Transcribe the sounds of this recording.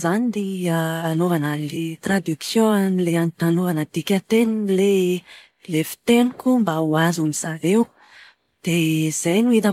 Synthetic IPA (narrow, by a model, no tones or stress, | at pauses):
zanid̪iiaːnovanalit̪rad̪yksjõanileanit̪anovanət̪ikʲat̪enile | lefi̥t̪enikʲumbauazumiz̥avew | d̪̥ez̥ajnuit̪a